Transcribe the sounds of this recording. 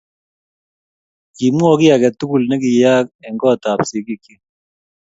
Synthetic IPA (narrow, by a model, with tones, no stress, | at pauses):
ki˨mu˦ɔ˦˨ki˦a˨kɛ˨t̪u˦ku˨lnɛ˦ki˨jaː˦k̚ɛ˨ŋɡɔ˦˨ta˨psi˨ki˦kːi˦